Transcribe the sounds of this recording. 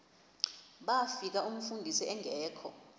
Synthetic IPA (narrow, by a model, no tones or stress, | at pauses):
ɓafik̬aum̩fundʱisiɛŋʱɛːkʰɔ̰